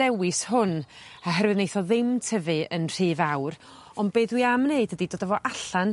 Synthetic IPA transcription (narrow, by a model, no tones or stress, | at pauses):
ɛwɨshʊn | aɦɛrwɨðnejθɔðɪmtʰəvɨənr̥iːvawr | ɔnbeːðwiamneɨdədidoːdavɔʔaɬan